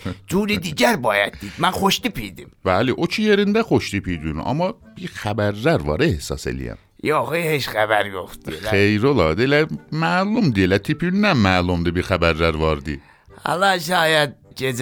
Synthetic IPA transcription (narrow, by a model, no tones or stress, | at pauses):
d͡ʒuːɾid̪iɟæɾbɑːjæt̪̚ːid̪mænxoʃd̪ipʰid̪imb̥æliʔot͡ʃʰijeɾind̪æχoʃd̪ipʰid̪yn̰ʔɑ̰mːɑ | b̥iɾxæbæɾːæɾvɑ̰ɾehsɑ̰se̞̰lḭjæ̰m | joxiheʃxæbæɾjoxt̪d̪ielæejɾolɑd̪ilæmæːlumd̪ijelæt̪ʰipʰiynd̪ænmæːlumd̪ibixæbæɾːæɾvɑɾd̪i | hɑ̰lɑʃɑːjæd̪d͡ʒez